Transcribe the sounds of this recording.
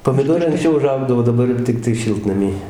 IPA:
poːmʲɪˈdoːrɐɪ ɐŋkˈsʲt͡ʃʲɛʊ ʊˈʒɐʊɡdɐʋoː dɐˈbɐr joː ˈtʲɪktɐɪ ˈʃʲɪlˠtnɐmʲiː

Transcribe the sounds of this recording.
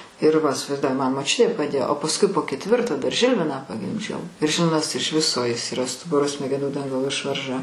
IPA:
ɪr ˈʋɐ ɪsʲɪʋɐɪzˈduɔjɪ ˈmɐn moːˈt͡ʃʲʊtʲeː pɐˈdʲeːjoː oː pɐsˈkʊɪ poː kʲɛtʲˈʋʲɪrtoː dɐr ˈʒʲɪlʲʋʲɪnɑː pɐɡʲɪmʲˈd͡ʒʲɛʊ ɪr ˈʒʲɪlʲʋʲɪnɐs ɪʃ ˈʋʲɪsoː ˈjɪs iːˈrɐ ˈstʊbʊroː sʲmʲɛɡʲɛˈnuː ˈdɐŋɡɐlˠoː ˈɪʃʋɐrʒɐ

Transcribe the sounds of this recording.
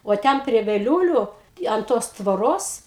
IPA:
oː ˈtʲɛn pʲrʲiɛ ʋʲɛˈlʲuːlʲʊ ɐn ˈtoːs tʋoːˈroːs

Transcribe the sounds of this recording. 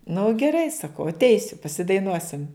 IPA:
nʊ ɡʲɛˈrɐɪ sɐˈkɐʊ ɐtʲˈɛɪsʲʊ pɐsʲɪdɐɪˈnuɔsʲɪm

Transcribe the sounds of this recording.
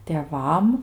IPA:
tʲeːˈʋɐm

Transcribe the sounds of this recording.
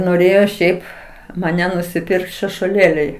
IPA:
noːˈrʲeːjoː ˈʃʲɛɪp mɐˈnʲɛ nʊsʲɪˈpʲɪrkt ʃʲɛʃuɔˈlʲeːlʲɛɪ

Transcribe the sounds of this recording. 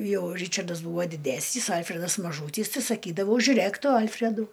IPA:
ˈjɛʊ ˈrʲiːt͡ʃɐrdɐs ˈbuːʋoː dʲɪˈdʲæːsʲnʲiːs ˈɐlʲfʲrʲɛdɐs mɐˈʒuːtʲiːs tɐɪ sɐˈkʲiːdɐʋɐʊ ʒʲʊˈrʲeːk ˈtʊ ˈɐlʲfʲrʲɛdʊ

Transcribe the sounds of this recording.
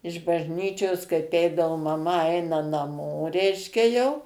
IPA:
ɪʃ bɐʒʲˈnʲiːt͡ʃʲoːs kɐɪp ˈɛɪdɐʋoː mɐˈmɐ ˈɐɪnɐ nɐˈmoː ˈrʲɛɪʃʲkʲɛ jɛʊ

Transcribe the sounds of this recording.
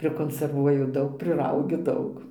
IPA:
pʲrʲɪkoːnʲsʲɛrˈʋuɔjʊ ˈdɐʊk pʲrʲɪˈrɐʊɡʲʊ ˈdɐʊk

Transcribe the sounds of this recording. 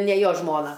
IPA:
nʲɛ ˈjoː ˈʒmoːnɐ

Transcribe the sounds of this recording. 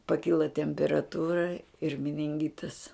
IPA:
pɐˈkʲɪlˠɐ tʲɛmʲpʲɛrɐˈtuːrɐ ɪr mʲɪnʲɪŋʲˈɡʲɪtɐs

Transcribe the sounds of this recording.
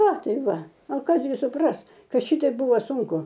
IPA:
ɐ ˈtɐɪ ˈʋɐ ɐ ˈkɐs ɡʲɪ sʊˈprɐs ˈkɐt ˈʃʲɪtʲɛɪp ˈbuːʋɐ ˈsuːŋkʊ

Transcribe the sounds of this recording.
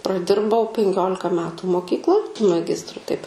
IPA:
prɐˈdʲɪrbɐʊ pʲɛŋʲˈkʲoːlʲɪkɐ ˈmʲæːtʊ moːˈkʲiːklˠoːj mɐˈɡʲɪstrʊ tɐɪp

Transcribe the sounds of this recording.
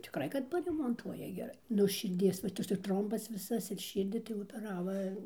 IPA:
tʲɪˈkrɐɪ kɐt pɐrʲɛmoːnˈtuɔjɛ ɡʲɛˈrɐɪ nʊ ʃʲɪrʲˈdʲiɛs ʋɐ ˈtɐs ɪr ˈtroːmbɐs ˈʋʲɪsɐs ɪr ˈʃʲiːrʲdʲiː tɐɪ oːpʲɛˈrɑːʋɐ

